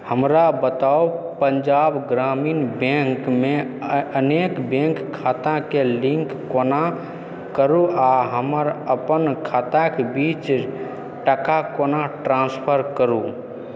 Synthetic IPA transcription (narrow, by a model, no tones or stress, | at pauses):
həmɾabət̪au | pəɲd͡ʒabɡɾaminbẽŋkmeənekbẽŋkʰːat̪akelĩŋkːona | kəɾuaɦəməɾəpənkʰat̪akebit͡ʃ | ʈəkakonaʈɾãnspʰəɾkəɾu